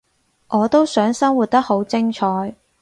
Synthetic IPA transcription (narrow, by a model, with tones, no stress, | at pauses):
ŋʔɔː˨˧t̪o˥wsœː˨˥ŋsɐ˥ŋwu˨˩t̚t̪ɐ˥k̚ho˨˥wt͡sɪ˥ŋt͡ʃʰɔː˨˥j